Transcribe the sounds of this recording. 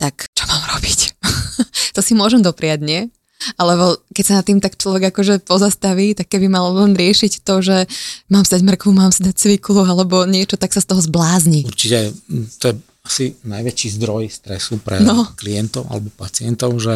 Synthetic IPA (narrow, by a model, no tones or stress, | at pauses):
t̪akt͡ʃɔ̥maːmɾɔbic | t̪ɔsimʊɔʒɛmd̪ɔpɾɪaɟɲɪɛ | alɛbɔkɛcsanat̪ːiːmt̪akt͡ʃlɔʋɛɡakɔʒɛpɔzast̪aʋiːt̪akːɛbimallɛnɾɪɛʃict̪ɔʒɛmaːmsid̪aɟmr̩kʋumaːmsid̪ac̚t͡sʋiklualɛbɔɲɪɛt͡ʃɔt̪aksast̪ɔɦɔzblaːzɲiuɾt͡ʃicɛt̪ɔjɛ | asinajʋɛt͡ʃizd̪ɾɔjst̪ɾɛ̰supɾɛ̰nɔklijɛnt̪ɔʊa̰lɛbɔpat͡siɛnt̪ɔʊʒɛ